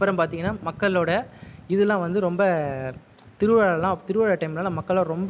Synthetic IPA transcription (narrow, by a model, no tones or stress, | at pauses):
pːɐɾɐmpaːɾt̪iːŋɡɐnːaːmɐkːɐɭoːɽɐɪðɛlːãːʋɐnd̪ɯɾɔmbɐ | t̪ɪɾɯʋaːɭɐlãːt̪ɪɾɯʋaːɽɐʈɐɪmlãːlãːmɐkːɐɭoːɾɔmb